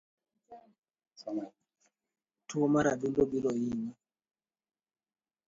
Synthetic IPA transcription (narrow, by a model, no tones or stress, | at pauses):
tʰuɔmaɾaɗuldɔbilɔjini